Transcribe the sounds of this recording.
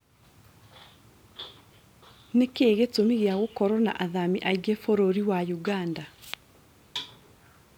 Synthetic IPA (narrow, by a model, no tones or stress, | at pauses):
nekeːɣetomiɣeaɣokɔɾɔna̰ʔaðamiʔaiɡefoɾoɾiwajuɣanda